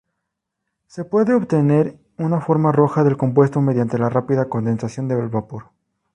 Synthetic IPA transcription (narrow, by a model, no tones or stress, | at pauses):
se̞pwe̞ðe̞oβt̪e̞ne̞ɾ | unafo̞ɾmaro̞xaðe̞lko̞mp̬we̞st̪o̞me̞ðjant̪e̞larapiðako̞nd̪e̞nsasjo̞nd̪ealβapuɾ